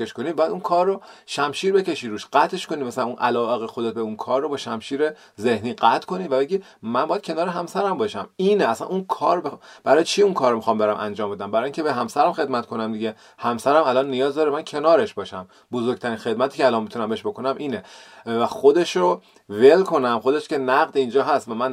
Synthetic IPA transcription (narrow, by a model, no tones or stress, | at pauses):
eʃkoniːbɒːjæd̪unkʰɒːrːoʃæmʃiːɾbe̞ce̞ʃiːɾuːʃɢæt̪ʰe̞ʃkoniːmæsælænunʔælɒːʔe̞ɣexo̞d̪e̞t̪̚beunkʰɒːɾːobɒːʃæmʃiːɾe | ze̞hniːɢæt̪ʰkʰo̞niːvæbe̞ɟʲiː | mænbɒːjæd̪̥̚cʰe̞nɒːɾeɦæmsæɾæmbɒːʃæmiːneæsæ̰nunkʰɒːɾbeb̥æɾɒːjet͡ʃʰiunkʰɒːɾmixɒːmbdeɾæmʔæ̰nd͡ʒɒːmbe̞d̪æmbæɾɒːjiŋcʰe̞beɦæmsæɾæmxe̞d̪̚mæt̪kʰo̞næmd̪iɟe̞ | hæmsæɾæmælɒːnːijɒːzd̪ɒːɾemæncʰe̞nɒːɾe̞ʃbɒːʃæm | bozoɾɡ̚ʲt̪ʰæɾiːnxe̞d̪̚mæt̪ʰiːceælɒːnmːbit̪ʰunæmbeeʃbo̞ko̞næmʔiːnevæxod̪e̞ʃɾo | ve̞lkʰo̞næmxo̞d̪e̞ʃce̞næɣd̪ind͡ʒɒːɦæst̪væmæn